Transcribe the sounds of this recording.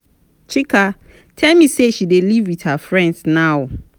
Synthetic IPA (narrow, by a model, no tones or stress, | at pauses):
t͡ʃʰikʰa | tʰɛlmĩseʃidelivwiθhafɹɛ̃ndsnãw